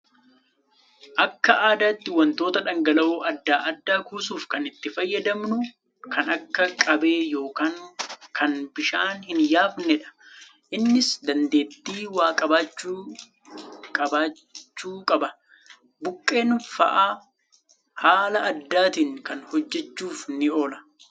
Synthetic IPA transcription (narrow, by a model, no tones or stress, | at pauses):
ʔɐkːɐʔaːd̪aːt̪ːɪwɐnt̪o̞ːt̪ɐᶑɐŋɡɐlɐʔoːʔɐd̪ːaːʔɐd̪ːaːkuːsuːfkɐnɪt̪ːɪfɐjːɐd̪ɐmnʊ | kɐnɐkːɐkʼɐbe̞ːjo̞ːkaːŋkɐnbɪʃaːnhɪnjaːfnɛᶑɐ̥ | ʔɪnːɪsd̪ɐnd̪e̞ːt̪ːiːwaːkʼɐbaːt͡ʃːuː | kʼɐbaː | t͡ʃːuːkʼɐbɐ | bʊkʼːe̞ːnʊfɐ̰ʔaː | haːlɐʔɐd̪ːaːt̪ɪŋkɐnhɔd͡ʒːɛt͡ʃːuːfnɪo̞ːlɐ̥